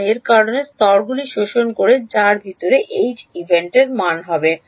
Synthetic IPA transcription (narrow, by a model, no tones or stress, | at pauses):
eɾkaɾonest̪ɔɾɡuliʃoʃonkoɾed͡ʑaɾbʱit̪oɾeʔejd͡ʑibʱeɳʈeɾmanɦɔbe